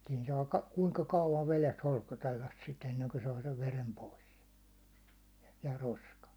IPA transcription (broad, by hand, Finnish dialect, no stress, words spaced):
siːn sɑː kɑ kuŋkɑ kɑuʋɑn ʋeles holskotelːɑs sit enːeŋko sɑː seʋ ʋerem pois jɑ roskɑn̞